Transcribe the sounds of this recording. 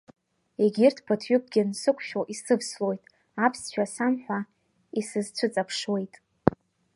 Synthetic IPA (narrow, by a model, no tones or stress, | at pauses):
eɡʲɪrtʰpʰɨtʰɥʊk̚ʷʰʼɡʲɪnsɨkʷʰʼʃᶣoʔisɨvslo̞jtʼ | apʰsʃᶣasamħʷᶣa | isɨzt͡ɕʷʰɨt͡sʼapʰʂwe̞jtʼ